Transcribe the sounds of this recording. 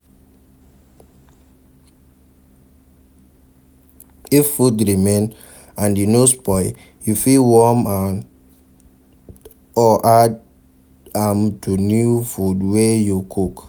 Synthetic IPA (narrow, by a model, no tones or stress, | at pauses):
ifːutɾimen | ãnjinospɔj | jufiwɔman | ɔʔad | amtunufudwejukʰuk